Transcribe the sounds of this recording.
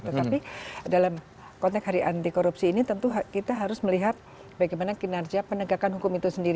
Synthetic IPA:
t̪ət̪apidalam | kɔnt̪ɛkɦaɾiʔant̪ikoɾupsiːnit̪ənt̪uɦkit̪aɦaɾʊsməliɦat̪̚ | baɡajmanakinard͡ʒiapənəɡakanɦukʊmit̪usəndiɾ

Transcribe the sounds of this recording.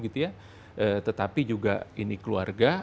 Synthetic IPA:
ɡit̪uja | ʔəːt̪ət̪apid͡ʒuɡa̰inikəlua̰rɡa

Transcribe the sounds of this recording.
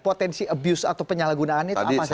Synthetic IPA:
pot̪ɛnsiəbjusa̰t̪awpəɲalaɡunaːnɲaaaipas

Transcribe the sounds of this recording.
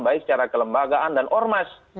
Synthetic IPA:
baɪksət͡ʃaɾakələmbaɡaʔandanʔɔrmas

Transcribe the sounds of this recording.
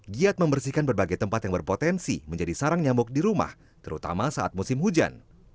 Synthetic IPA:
ɡiat̪̚məmbərsikanbərbaɡajt̪əmpat̪jaŋbərpot̪ɛnsḭməɲd͡ʒadisaɾaŋɲamʊk̚diɾuma̰h | t̪əɾut̪a̰masaʔat̪̚musɪmɦud͡ʒa̰n

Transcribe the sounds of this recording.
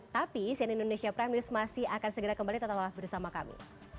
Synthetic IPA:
t̪apisianindonesiapɾɛmiʊsmasɪhakansəɡəɾakəmbalit̪ət̪apalahbərsamaka̰mḭ

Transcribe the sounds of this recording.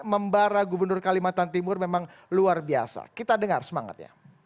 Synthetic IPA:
məmbaɾaɡubərnʊrkalimat̪ant̪imʊrmemaŋ | luarbia̰sa̰kit̪adəŋarsəmaŋa̰t̪̚ɲa̰

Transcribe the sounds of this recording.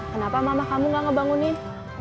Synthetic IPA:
kənapamamakamuŋɡaŋəbaŋʊnɪ

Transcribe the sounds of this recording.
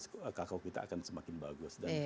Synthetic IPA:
səkakawkit̪a̰a̰kansəmakɪnbaɡʊsdan

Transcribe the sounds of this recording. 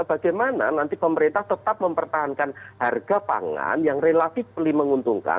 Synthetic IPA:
b̥aɡajmana̰nant̪ipəməɾint̪aht̪ət̪ap̚məmpərt̪aɦankanharɡapa̰ŋa̰njaŋrelat̪ɪf̚pəliməŋunt̪uŋka̰

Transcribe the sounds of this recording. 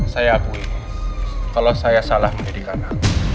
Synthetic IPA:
sajapui | kalosajasalahməmidikana

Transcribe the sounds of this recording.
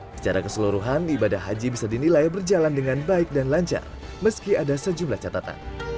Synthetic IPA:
sə̥t͡ʃaɾakəsəluɾuɦanibadahɦːad͡ʒibisadinilajbərd͡ʒalandəŋanbaɪk̚danlaɲt͡ʃa̰r | məskiadasəd͡ʒumlaht͡ʃat̪at̪a̰n

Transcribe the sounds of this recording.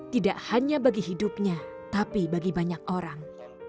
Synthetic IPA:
t̪idaʔhaɲabaɡiɦidʊp̚ɲat̪apibaɡibaɲak̚oɾaŋ

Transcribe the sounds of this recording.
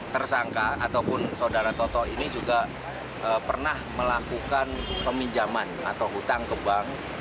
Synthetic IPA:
t̪ərsaŋkaat̪awpʊnsaudaɾat̪ɔt̪ɔinid͡ʒuɡa | ʔəpərnahməlakukanpəmiɲd͡ʒamanat̪awɦut̪aŋkəbaŋ

